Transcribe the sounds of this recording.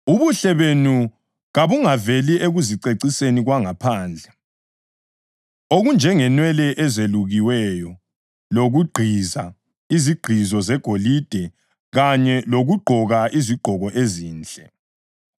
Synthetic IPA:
uβuɬɛβenu | ɣaβuŋaveliʔeɣuziǀeǀiseniɣwaŋapʰaːnd͡ɮʱɛ | oɣund͡ʒʱɛŋɛnwɛlɛʔɛzeluɣiwɛjɔ | loɣuɡ͡ǃʱiza | iziɡ͡ǃ̥ʱizɔzɛɡ̥ʱolid̥ʱɛ | ɣaɲɛloɣuɡ͡ǃʱɔɣaʔiziɡ͡ǃʱɔɣɔʔeziːnd͡ɮʼɛ

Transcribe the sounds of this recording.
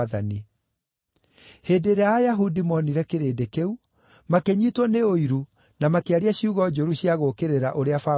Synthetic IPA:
aðani | heːdeɾeaːjaɦudimɔniɾɛkeɾeːdekeu | makeɲitwɔneoiɾu | namakeaɾiaɕiuɣɔd͡ʒoɾuɕjaɣokeɾeɾaʔoɾeafa

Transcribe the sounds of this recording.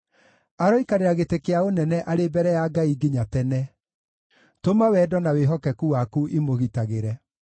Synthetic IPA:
aɾɔikaɾeɾaɣetekeaonɛnɛʔaɾebɛɾɛjaɡaiɡiɲatɛnɛ | tomawɛːdɔnaweɦɔkɛkuwakuʔimoɣitaɣeɾɛ

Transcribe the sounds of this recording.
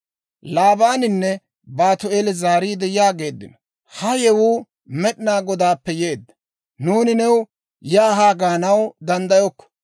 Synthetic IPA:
laːbaːnɪnːɛ | baːt̪ʊelɛzaːɾiːd̪ɛjɪaːɡe̞ːd̪ːɪ̰nɔ | hɐjɛwuː | mɛɗɪnaːɡɔd̪aːpːɛje̞ːd̪ːɐ | nuːnɪnɛw | jaːɦaːɡaːnɐwd̪ɐnd̪ɐjɔkːɔ̥

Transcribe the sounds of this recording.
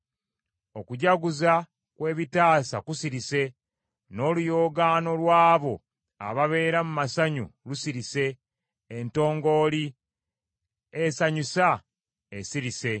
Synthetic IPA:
o̞kuɟaɡuza | kwe̞ːβitaːsakusiɾise̞ | no̞ːlujo̞ːɡaːno̞lwaːβo̞ | a̰βaβe̞ːɾamumasaɲṵlusiɾise̞ː | nto̞ːŋɡo̞ːli | esaɲusa | esiɾise̞

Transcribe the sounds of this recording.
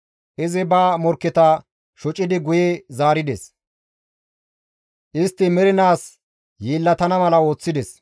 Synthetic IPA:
ʔɪzɪbaːmɔɾkːɪt̪ɐ | ʃɔt͡ʃʼɪd̪ɪɡʊjɛzaːɾɪd̪ɛs | ʔɪst̪ːɪmɛɾɪnaːs | jiːlːɐt̪ɐnɐmɐlɐo̞ːt͡sːɪd̪ɛs

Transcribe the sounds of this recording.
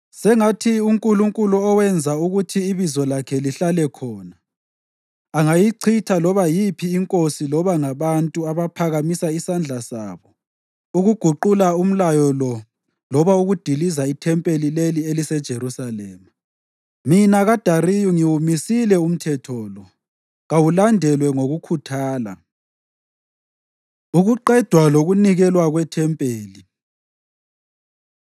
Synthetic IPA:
sɛŋatʰiuŋkʼuluŋkʼuluɔwɛnd͡zʱauɣutʰiːβizɔlakʰɛliɬalɛkʰɔːna | ŋajiǀʰitʰalɔβajipʰiːŋkʼosilɔβaŋaβantʼuaβapʰaɣamisaisand͡ɮʱasa̰ːβɔ | uɣuɡ̥ʱuǃulaum̩lajɔlɔ | lɔβauɣud̥ʱilizaitʰɛmpʼelilelielisɛd̥ʒ̥ʱeɾusalɛːma | minaɣad̥ʱarijuŋiwumisilɛum̩tʰɛtʰɔːlɔ | ɣawulandʱɛlwɛŋoɣukʰutʰaːla̰ | uɣuǃɛd̥ʱwaloɣuniɣɛlwaɣwɛtʰɛmpʼeːli

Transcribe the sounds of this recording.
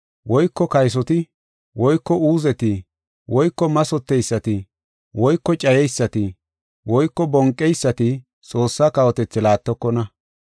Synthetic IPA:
wɔjkːɔkɐjs̬ɔt̪ɪ | wɔjkːɔuːzɛt̪ɪ | wʔɔjkːɔmɐsɔt̪ːɛjsːɐt̪ɪ | wɔjkːɔt͡ʃʼɐjɛjsːɐt̪ɪ | wɔjkːɔbɔŋkʼːɛjsːɐt̪ɪ | t͡sʼo̞ːsːakɐwɔt̪ɛt͡sːɪlaːt̪ːɔkːɔnɐ

